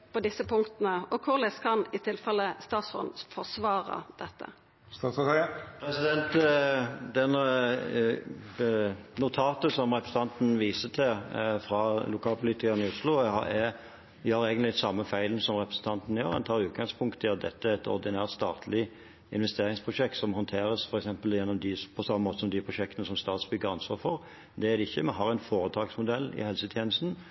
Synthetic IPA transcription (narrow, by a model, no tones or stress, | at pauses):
pʰɔd̪ɪsəpʰʊŋkt̪ənəɔkʰʊʁlɛskʰɑnɪt̪ʰɪlfɛlːəst̪ɑːt̪sɔ̰nfɔsʋɑːɾə̰d̪̥ɛt̪ːə̰ | st̪ɑɔpʰɾɛsɪd̪ɛnt̪ | d̪ɛn | nʊt̪ʰɑːt̪əsɔmʁɛpɾəs̩n̩t̪ɑnt̪n̩ʋiːsət̪ʰɪfɾɑlʊkʰɑːlpʰʊliːt̪ɪkəʁnɪʊslʊhɑ̰ɛ | ʋɪhɑɾæɪɡnt̪lɪsɑmːəfæɪlnsɔmɾɛpɾəsn̩t̪ʰɑnt̪n̩ɪjo̰ːʁɛnt̪ʰɑːɾʉːt̪̚ɡɑŋspʰʊŋkt̪ʰɪɑt̪̚d̪ɛ̰t̪ːəæɛt̪ɔ̰ʁd̪ɪnæːʁt̪st̪ɑːt̪ʰlɪ | ɪ̰nʋɛst̪eːɾɪŋspʰʁʊʂɛk̚t̪sɔmhɔnt̪ʰeːɾəsfɔɾɛksɛmpəljɛnːɔmd̪ɪpʰɔsɑmːəmoːt̪əsɔmd̪ɪpʰɾʊʃɛk̚t̪ənəsɔmst̪ɑːt̪sbʏɡəɾɑnsʋɑːʁfɔɾ | d̪ɛæd̪ɛɪçːəmɛnɦɑɾæɪnfoːɾət̪ʰɑːɡsmʊd̪ɛlːɪ̰hɛlsət̪ʰjeːnəst̪n̩